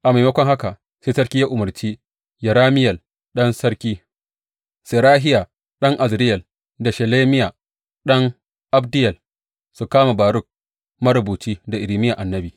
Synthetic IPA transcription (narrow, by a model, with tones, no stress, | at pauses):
ʔa˨ma˨jmɐ˦kʷɔ˦ŋha˦ka˨ | seː˦sɐ˦ɾkʲi˦ja˦ʔʊ˨mɐ˨rt͡ʃiː˦ | jɐ˨ɾaː˦mɪ˦jɐ˨l | ɗɐ˦nsɐ˦ɾkʲiː˦ | se˨ɾaː˦ɦɪ˦jaː˨ | ɗɐ˦ŋʔa˨zɾɪ˦jɐ˨l | da˨ʃɐ˨leː˦mɪ˦jaː˨ | ɗɐ˦ŋ | ʔa˦bdɪ˦jɐ˨l | su˨kaː˦ma˨baː˨ɾʊ˦k̚ | mɐ˦ɾʊ˨buː˨t͡ʃiː˦da˨ʔɪ˨ɾi˨mɪ˦ja˨ʔa˨nːɐ˦biː˨